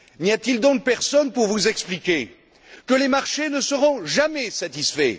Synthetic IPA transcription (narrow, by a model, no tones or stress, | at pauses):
niat̪ild̪ɔ̃k̚pɛʁsɔnpuʁvuzɛksplikʲe | kəlemaʁʃenəsəʁɔ̃ʒamɛsat̪isfɛ̰